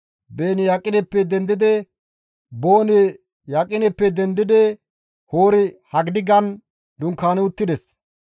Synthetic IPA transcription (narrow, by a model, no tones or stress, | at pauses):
beːnɪjakʼːɪnɛpːɛd̪ɛnd̪ɪd̪ɛ | boːnɛ | jakʼːɪnɛpːɛd̪ɛnd̪ɪd̪ɛ | hoːɾɪhɐɡɪd̪ɪɡɐn | d̪ʊŋkːaːnɛʊt̪ːɪd̪ɛs